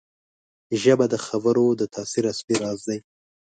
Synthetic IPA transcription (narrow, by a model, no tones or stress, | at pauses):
ʒabad̪əxabəɾod̪ət̪ʰɑsiɾaspiɾɑzd̪aj